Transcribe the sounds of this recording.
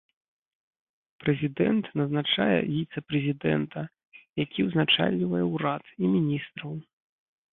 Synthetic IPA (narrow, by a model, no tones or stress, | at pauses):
pɾɛzʲid̪ɛnt̪nɐznat͡ʂajɛ̰vʲit̪sɛpɾɛzʲid̪ɛ̰nt̪ʰɐ | jakʲiwznat͡ʂa̰lʲːivɐjɛwɾat̪imʲinʲist̪ɾɐw